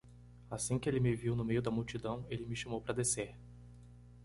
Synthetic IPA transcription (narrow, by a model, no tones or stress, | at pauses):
asĩkɪelɪmɪviwnʊmejʊd̪ɐmuwt͡ʃid̪ɐ̃w̃elɪmɪʃɐmowpɾɐd̪eseɾ